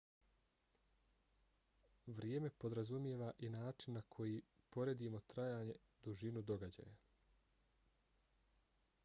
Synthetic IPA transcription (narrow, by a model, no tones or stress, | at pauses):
ʋɾjeːme̞po̞d̪ɾazumjeːʋaʔinaːt͡ʃinːakʰo̞jiːpo̞ɾed̪imo̞t̪ɾajaːɲe̞ | d̪uʒinud̪o̞ɡad͡ʑa̰ːja